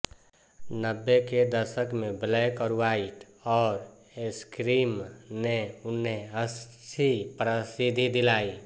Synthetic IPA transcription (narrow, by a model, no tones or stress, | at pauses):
nəbːeked̪əɾʃəkmẽblɛkɔɾwaiʈ | ɔːɾ | eskɾiːmneʊnɦeəst͡ʃʰipɾəsid̪ʱid̪ɪlaːi